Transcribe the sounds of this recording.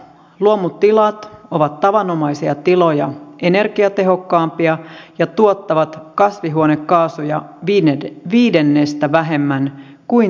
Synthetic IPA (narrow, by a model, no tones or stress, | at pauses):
luomut̪ːilɑt̪o̞ʋɑt̪tːɑʋɑnːo̞mɑjsiɑt̪ilo̞jɑʔe̞ne̞rɡiɑt̪e̞ɦo̞kːɑːmpiɑjɑt̪uot̪ːɑʋɑt̪kɑsʋiɦuonekːɑːsujɑ | ʋiːde̞nːe̞st̪æʋæɦe̞mːæn | kui